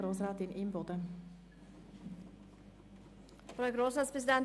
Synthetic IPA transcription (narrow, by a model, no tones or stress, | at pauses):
ɾoːsɾaːt̪ɪnʔimbɔd̪ə | fɾɛɡɾoːsɾɑt̪spʰɾɛs̬ɪd̪ɛn